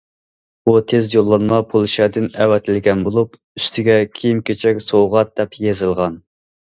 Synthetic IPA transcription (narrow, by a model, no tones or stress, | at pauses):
ut̪ʰezjolˠːɑnmɑpʰolˠʃɛd̪ɪnɛwɛt̪ʰɪlɡʲɛnbolˠup | y̥st̪ʰɪɡʲɛkʲʰijimkʲet͡ʃʰɛkʲsowʁɑt̪̚d̪ɛpjezɨlˠʁɑn